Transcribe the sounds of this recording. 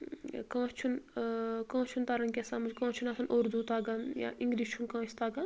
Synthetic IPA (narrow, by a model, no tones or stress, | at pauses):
kãːt͡ʃʰunkãːt͡ʃʰunt̪ɐɾɐŋkʲesaːnmud͡ʒʲkãːt͡ʃʰunɐsɐnʔoːɾd̪ut̪aːɡɐnja̰ʔĩŋɡɾiːst͡ʃʰunkãːst̪aːɡɐn